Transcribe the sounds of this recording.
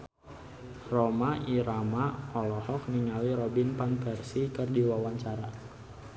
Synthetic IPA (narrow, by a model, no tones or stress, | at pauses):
rɔmaʔiɾamaɔlɔhɔk̚niŋaliɾɔbinpanpɛrsikɨrdiwawaɲt͡ʃaɾa